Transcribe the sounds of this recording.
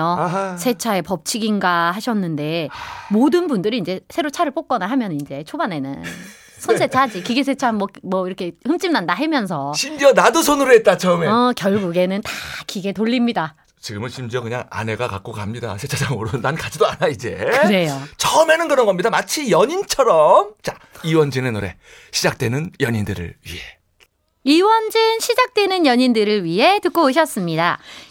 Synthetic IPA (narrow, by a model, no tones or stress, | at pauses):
osʰe̞t͡ɕʰae̞pʌp̚t͡ɕʰiɡinɡahaɕʰʌnːɯnde̞modɯnbundɯɾiind͡ʑe̞sʰe̞ɾot͡ɕʰaɾɯɭp͈ok͈ʌnaɦamjʌnɯnind͡ʑe̞t͡ɕʰobane̞nɯ̰n | sʰʌnsʰet͡ɕʰad͡ʑikiɡes̬ʰe̞t͡ɕʰanmwʌmwʌiɾʌkʰe̞hɯmt͡ɕ͈imnandaɦemjʌns̬ʰʌɕʰimd͡ʑiʌnadosʰonuɾet̚t͈at͡ɕʌmeʌkjʌɭɡuɡe̞nɯntakiɡe̞toʎːimɲida | t͡ɕiɡɯmɯnɕʰimd͡ʑiʌkɯɲaŋa̰ne̞ɡaka̰k͈̚okamɲida̰sʰet͡ɕʰad͡ʑamoɾɯɯnankad͡ʑidoanaid͡ʑe̞kɯɾe̞jot͡ɕʌme̞nɯnkɯɾʌnɡʌmɲidamat͡ɕʰijʌɲint͡ɕʰʌɾʌmt͡ɕaiwʌnd͡ʑinenoɾe̞̰ | ɕʰid͡ʑak̚t͈we̞nɯnjʌɲindɯɾɯ̰ɭɥḭɦe̞ | iwʌnd͡ʑɯnɕʰid͡ʑak̚t͈we̞nɯnjʌɲindɯɾɯɭɥiɦe̞tɯk̚k͈ooɕ̬ʰʌs͈ɯmɲida